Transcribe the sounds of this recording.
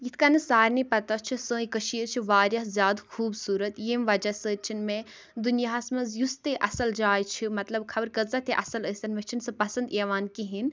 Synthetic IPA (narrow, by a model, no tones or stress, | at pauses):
jit̪ʰkanɨsaːɾnipɐt̪ɐt͡ʃʰisə̃ːikəʃiət͡ʃʰiʋaːɾjɐɦzjaːd̪xʰuːbsuːɾɐt̪jeːmʋɐd͡ʒɐsəːt͡ʃʰinmẽ | d̪unjaɦɐsmɐzjust̪eʔɐsɐld͡ʒaːjt͡ʃʰimɐt̪lɐbkʰɐbəɾkɐzɐt̪ʰeʔɐsɐləsʲɐnmet͡ʃʰinsɐ̃pɐsɐnd̪eːʋaːnkiɦin